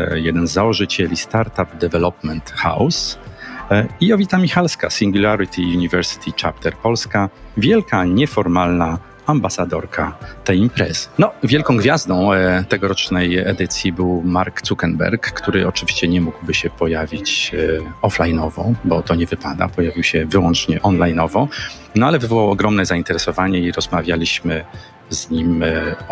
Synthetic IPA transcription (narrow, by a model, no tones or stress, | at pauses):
jɛd̪ɛnzːawɔʐɨt͡ɕɛlʲist̪aɾt̪ap̚d̪ɛvɛlɔpmɛnt̪xa̰ws | iɔvʲit̪amʲixalskasʲiŋɡʲulaɾɨt̪ʰʲiuɲivɛɾsɨ̥t̪ʰʲit͡ʂap̚t̪ɛɾpɔlskavʲjɛlkaɲɛfɔɾmalna | ambasad̪ɔɾkʰat̪ɛjimpɾɛzɘ̥nɔvʲjɛlkɔ̃w̃ɡvʲjazd̪ɔ̃w̃t̪ɛɡɔɾɔt͡ʂnɛjɛd̪ɘt̪sʲjibɘwmaɾkt̪sukɛnbɛ̰ɾkːt̪uɾɘɔt͡ʂɘvʲiɕt͡ɕɛɲɛmuɡwbɘɕɛpɔjavʲit͡ɕ | ɔflajnɔvɔbɔt̪ɔɲɛvɘpad̪a̰pɔjavʲiwɕɛvɘwɔnt͡ʂɲɛʔɔnlajnɔvɔ | nɔalɛvɘvɔwawɔɡɾɔmnɛzaint̪ɛɾɛsɔvaɲɛiɾɔzmavʲjalʲiɕmɘ | zɲim